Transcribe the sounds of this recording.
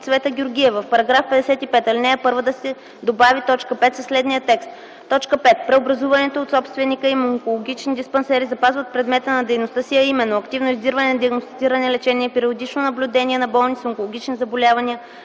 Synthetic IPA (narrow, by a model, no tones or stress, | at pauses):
t̪svɛt̪əɡʲʊɾɡʲiɛvəfpɐɾɐɡɾafpɛd̪ɛsɛt̪ipɛt̪ɐlinɛɛpɤɾvəd̪ɐsɛ | d̪obavit̪ɔt͡ʃkəpɛt̪səslɛd̪nijət̪ɛkst̪ː | ɔt͡ʃkəpɛt̪̚pɾɛobɾɐzuvənɛt̪oːt̪sɔpst̪vɛnːikəimoŋkolˠoɡʲit͡ʃnid̪ispɐnsɛɾizɐpazvɐt̪̚pɾɛd̪mɛt̪ənɐd̪ɛjnost̪ɤsiɐimɛnːoɐkt̪ivnoizd̪iɾvɐnɛnɐd̪iɐɡnost̪it̪siɾɐnɛlɛt͡ʃɛniɛpiɾiod̪it͡ʃnonɐblʲʊd̪ɛniɛnɐbɔlˠnisoŋkolˠoɡʲit͡ʃnizɐbolʲavɐniə